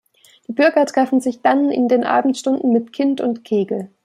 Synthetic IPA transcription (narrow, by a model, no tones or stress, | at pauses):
d̥iːbʏɐɡɐtʁ̥ɛfn̩zɪçd̥anɪ̰ndeːnʔa̰ːbm̩tʃtʊndn̩mɪtkʰɪntʊntkʰeːɡl̩